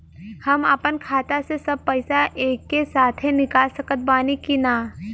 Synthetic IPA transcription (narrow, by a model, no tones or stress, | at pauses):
hɐməpənkʰaːt̪asesɐb̚pɐɪsaʔeːkːesaːt̪ʰɦenɪkaːlsɐkət̪̚baːnikinaː